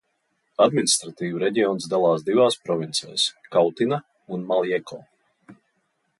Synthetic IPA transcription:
ad̪minist̪ɾat̪iːvuɾɛɟʲiɔːnsd̪alˠaːsd̪ivaːspɾɔvʲint̪sɛ̰jskawt̪ina | unmalˠjɛkɔː

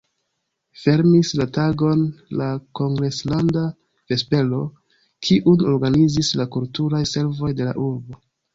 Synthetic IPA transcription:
fe̞ɾmislataɡo̞nlako̞ŋɡɾe̞slanda | v̥e̞spe̞lo̞ | kʰiʔuno̞ɾɡanizislakultuɾajse̞ɾvo̞jde̞la̰ʔuɾbo̞

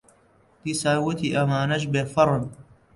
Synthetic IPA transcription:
d̪isaːwut̪ʰiʔɐmaːnɐt͡ʃbeːfɐɾɨn

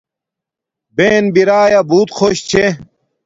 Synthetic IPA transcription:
beːnbiɾaːjabuːt̪xʰoɕt͡ɕʰe

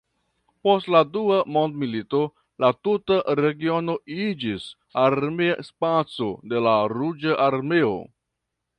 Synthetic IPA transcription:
po̞stladuamo̞ndmilito̞ | latutaɾe̞ɡio̞no̞id͡ʒis | aɾmeaspat͡so̞de̞laɾud͡ʒaʔaɾme̞o̞̰

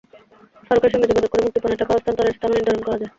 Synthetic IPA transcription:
ʃɔɾokaɾiʃɔŋɡed͡ʑ̪obad̪okɔɾemuk̚t̪iponeʈakɔost̪ʰant̪ɔɾeʃt̪amoned̪ɔɾonkɔɾad͡ʑae

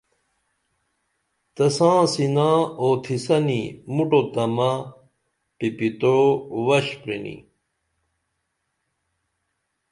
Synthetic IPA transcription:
t̪ɐsãːsinãːoːt̪ʰisɐnimuʈot̪ɐmɐ | ʈipit̪owɐɕpɾinḭ

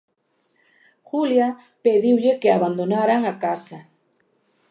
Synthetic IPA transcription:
xulja | peðiwʎekeaβand̪onaɾaŋakasa

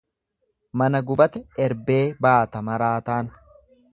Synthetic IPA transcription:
mɐnɐɡʊbɐt̪ɛɛɾbe̞ːbaːt̪ɐmɐɾaːt̪aːn

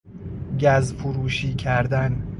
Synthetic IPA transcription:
ɟæzfoɾuːʃiːcʰæɾd̪æn

